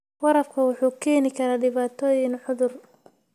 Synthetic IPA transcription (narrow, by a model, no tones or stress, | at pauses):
wɐɾɐfkʰɐwʊħuːkʰɛːnɪkʰɐɾaːɖɪβaːt̪ʰɔːjɪnħʊðʊr